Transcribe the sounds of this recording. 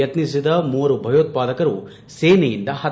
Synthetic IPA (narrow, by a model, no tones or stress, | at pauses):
ɐt̪nisid̪ɐmuːɾubʱɐjoːt̪̚paːd̪ɐkɐɾu | seːnɐjind̪ɐhɐ